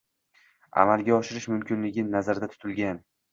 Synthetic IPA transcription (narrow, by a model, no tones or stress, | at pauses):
a̰malˠɡʲaɒʃɪɾɪʃmʊmkʲʰɪnlɪɡʲɪnazaɾd̪at̪ʰʊ̥t̪ʰɪlɡʲan